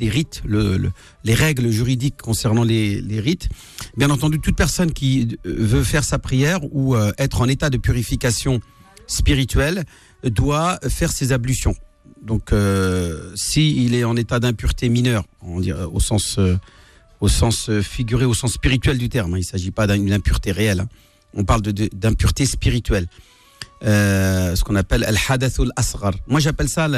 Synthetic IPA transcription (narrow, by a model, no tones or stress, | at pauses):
leʁit̪ləl̰ | leʁɛɡləʒyʁid̪ikʰːɔ̃sɛʁnɑ̃leleʁit̪ | bjɛ̃nɑ̃t̪ɑ̃d̪yt̪ut̪̚pɛʁsɔnkʲivøfɛʁsapχijɛʁuøɛt̪χɑ̃net̪ad̪əpyʁifikasjɔ̃spiʁit̪ɥɛl | d̪wafɛʁsezablysjɔ̃ | d̪ɔ̃kø | siilɛɑ̃net̪ad̪ɛ̃pyʁt̪eminœʁkɔmɑ̃d̪ḭʁo̰sɑ̃sø | osɑ̃søfiɡʲyʁeosɑ̃sːpiʁit̪ɥɛld̪yt̪ɛʁmɛ̃ilsaʒipad̪ɛ̃d̪ɛ̃pyʁt̪eʁeɛlɛ̰̃ | ɔ̃paʁld̪əd̪əd̪ɛ̃pyʁt̪espiʁit̪ɥɛl | øsə̥kɔ̃napɛla̰lħad̪aθalʔasʁɑɾˤmwaʒapɛlsal